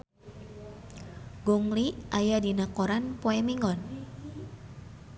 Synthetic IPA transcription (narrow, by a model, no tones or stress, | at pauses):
ɡuŋliʔajadinakɔɾanpoɛmiŋɡɔn